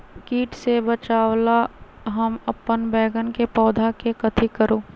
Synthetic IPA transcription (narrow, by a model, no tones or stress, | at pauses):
kiːʈsebət͡ʃaːwla | ɦəmɐpːənbɛːɡənkepɔːd̪ʱakekɐt̪ʰikəɾoː